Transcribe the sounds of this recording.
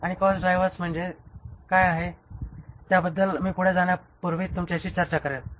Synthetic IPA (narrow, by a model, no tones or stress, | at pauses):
aɽ̃ikɔsɖɾajʋət͡sm̤əɳd͡zekajaɦe | t̪jabəd̪ːəlmiːpuɽ̤ed͡zaɳ̃japuɾʋiːt̪ːumt͡ɕaɕiːt͡ɕəɾt͡ɕakəɾet̪̚